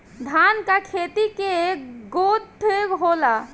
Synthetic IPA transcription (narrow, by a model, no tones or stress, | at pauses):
d̪ʱaːnkakʰeːt̪ikeɡod̪ʱeɡɦoːla